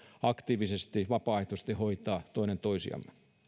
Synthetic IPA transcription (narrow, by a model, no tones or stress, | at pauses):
ɑkt̪iːʋisest̪iʋɑpɑːeht̪ust̪ihoit̪ɑːt̪oinent̪oisḭɑ̰mːe̥